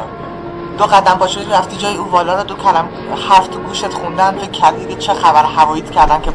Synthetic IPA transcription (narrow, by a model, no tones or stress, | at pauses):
d̪̥oɣæd̪æmpʰɒːʃiliɾæft̪iːd͡ʒɒːjeuːvɒːlɒːɾɒd̪okʰælæm | hæft̪ʰɡuːʃet̪χund̪ænd̪fekʰæɾd̪ibet͡ʃʰexæbæɾhævɒːjiːt̪ʰcʰæɾd̪ænkʲʰe